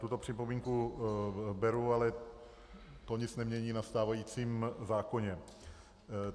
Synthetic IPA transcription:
t̪ut̪o̞pr̝̥ɪpomiːŋku | bɛɾualɛ | t̪oɲɪt͡snɛmɲɛɲiːnast̪aːvajiːt͡siːmzaːko̞ɲɛ

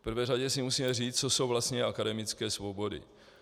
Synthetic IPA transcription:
pr̩vɛːraɟɛsɪmusiːmɛriːt͡st͡so̞so̞wvlast̪ɲɛʔakadɛmɪt͡skɛːsvo̞bo̞dɪ̰

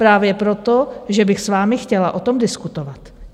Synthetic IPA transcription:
pɾaːvjɛpɾo̞t̪o̞ʒɛbɪxsvaːmɪxcɛla̰ʔo̞t̪o̞mdɪskut̪ovat̪

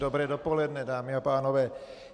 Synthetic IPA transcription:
d̪ɔbɾɛːd̪ɔpɔlɛd̪nɛd̪aːmiapaːnɔʋɛː

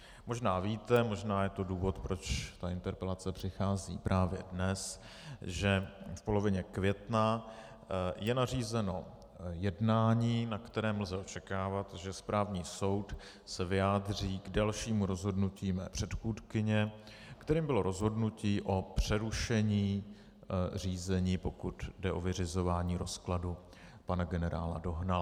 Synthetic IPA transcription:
mo̞ʒnaːviːt̪ɛmo̞ʒnaːjɛt̪o̞duːvo̞t̪pɾo̞t͡ʃt̪aʔɪnt̪ɛɾpɛlat͡sɛpr̥ɪxaːzḭːpɾʔaːvjɛ̰dnɛs | ʒɛfpo̞lo̞vɪɲɛkvjɛt̪na | jɛnariːzɛno̞ | jɛdnaːɲiːnakt̪ɛɾɛːml̩zɛʔo̞t͡ʃɛkaːvat̪ʒɛspɾaːvɲiːso̞wt̪ | sɛvɪjaːdriːɡdalʃiːmuɾo̞zɦo̞dnuciːmɛ̰ːpr̥ɛt̪xuːtkɪɲɛ | kt̪ɛɾiːmbɪlo̞ɾo̞zɦo̞dnuciːʔo̞pr̥ɛɾuʃɛɲiː | r̝iːzɛɲiːpo̞kut̪dɛʔo̞vɪrɪzo̞vaːɲiːɾo̞skladu | panaɡɛnɛɾa̰ːla̰do̞ɦnal

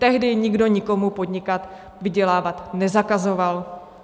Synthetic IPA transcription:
t̪ɛɦdɪɲɪɡdo̞ɲɪko̞mupo̞dɲɪkat̪ | vɪɟɛlaːvat̪nɛzakazoval

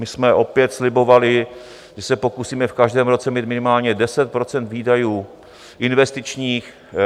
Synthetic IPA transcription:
mɪsmɛʔo̞pjɛt̪slɪbo̞valɪ | ʒɛsɛpo̞kusiːmɛfkaʒdɛːmɾo̞t͡sɛmiːt̪mɪnɪmaːlɲɛdɛsɛt̪̚pɾot͡sɛnt̪viːdajuː | ʔɪnvɛst̪ɪt͡ʃɲiːx

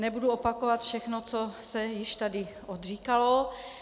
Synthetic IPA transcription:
nɛbuduopakovat̪fʃɛxnot͡sosɛjɪʃt̪adɪ | ʔod̪r̝iːkalo

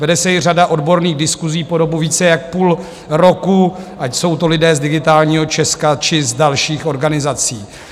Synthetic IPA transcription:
vɛdɛsɛjɪr̝adaʔo̞dbo̞ɾniːɣdɪskuziːpo̞do̞buviːt͡sɛjak̚puːl | ɾo̞kuʔacso̞wt̪o̞lɪdɛːzdɪɡɪt̪aːlɲiːɦo̞t͡ʃɛskat͡ʃɪzdalʃiːxo̞ɾɡanɪzat͡siː

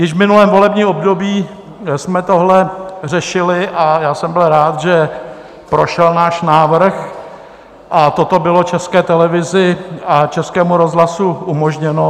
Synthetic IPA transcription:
jɪʃvmɪnulɛːmvo̞lɛbɲiːo̞bdo̞biː | smɛt̪oɦlɛr̝ɛʃɪlɪʔajaːsɛmbɪlɾaːt̪ʒɛ | pɾo̞ʃɛlnaːʃnaːvr̩x | ʔat̪o̞t̪o̞bɪlot͡ʃɛskɛːt̪ɛlɛvɪzɪat͡ʃɛskɛːmuɾo̞zɦlasuʔumoʒɲɛno

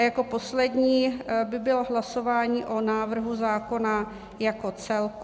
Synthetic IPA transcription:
jako̞po̞slɛdɲiːbɪbɪlɦlasovaːɲiːʔonaːvr̩ɦuzaːkona | jakot͡sɛlk

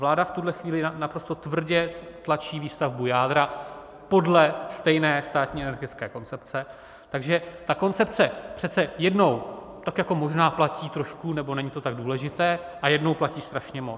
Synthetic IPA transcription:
vlaːdaft̪udlɛxviːlɪanapɾo̞st̪o̞t̪vr̩ɟɛt̪lat͡ʃiːviːst̪avbujaːd̪ɾa | po̞dlɛst̪ɛjnɛːst̪aːt̪ɲiːɛnɛɾɡɪt͡skɛːko̞nt͡sɛp̚t͡sɛ | t̪aɡʒɛt̪ako̞nt͡sɛp̚t͡sɛpr̥ɛt̪t͡sɛjɛdno̞w | t̪akjako̞mo̞ʒnaːplaciːt̪ɾo̞ʃkunɛbo̞nɛɲɪt̪o̞t̪aɡ̚duːlɛʒɪt̪ɛːʔajɛdno̞wplaciːst̪ɾaʃɲɛmot͡s

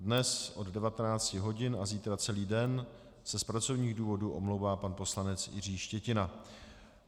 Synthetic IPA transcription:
dnɛsʔo̞ddɛvat̪ɛnaːt͡scɪɦo̞ɟɪnaziːt̪ɾat͡sɛliːdɛn | sɛspɾat͡so̞vɲiːɣduːvo̞duʔo̞̰mlowvaːpanpo̞slanɛt͡sjɪ̰r̝iːʃcɛcɪna

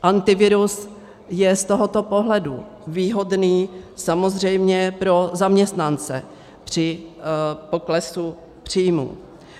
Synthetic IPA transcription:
ʔant̪ɪvɪɾus | jɛst̪o̞ɦo̞t̪o̞po̞ɦlɛdu | viːɦo̞dniːsamo̞zr̝ɛjmɲɛpɾo̞zamɲɛst̪nant͡sɛ̰ | pr̝̥ɪ | po̞klɛsu | pr̝̥iːjmṵ

